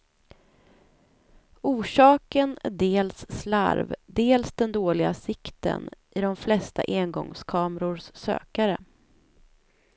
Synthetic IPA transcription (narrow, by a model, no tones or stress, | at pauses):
uːʂɑːkənæ̰ɖeːlsːla̰ɾvd̪eːlsd̪ɛnd̪oːlɪɡasɪkt̪ə̰nʔɪɖɔmflɛst̪a̰ʔeːnɡɔ̰ŋskʰɑːmɾʊɾʂːø̰ːkaɾə